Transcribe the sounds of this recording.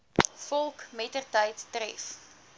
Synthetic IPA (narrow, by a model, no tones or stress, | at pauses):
fɔlˠkmɛtərtəjtːrɛ̰f